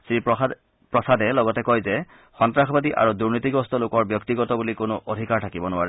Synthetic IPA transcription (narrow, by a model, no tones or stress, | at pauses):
sip | pɹɔsadɛlɔɡɔtɛkɔjzɛ | xɔntɹaxɔbadiʔa̰ɹuduɹnitiɡɔstɔlokɔɹbjɔk̚tiɡɔtɔbulikonʊʔodʱikaɹtʰakibɔnʊwaɹɛ